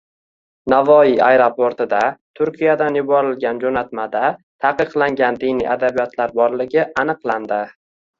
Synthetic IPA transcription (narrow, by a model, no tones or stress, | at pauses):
navɒiajɾopoɾt̪ɪd̪at̪ʰʊɾkʲʰijad̪anjʊbɒɾɪlɡʲand͡ʒonat̪mad̪at̪ʰaqɨqlˠaŋɡʲand̪ɪnijʔad̪abijɒt̪ʰlaɾbɒɾlɪɡʲɪʔanɨqlˠand̪ɪ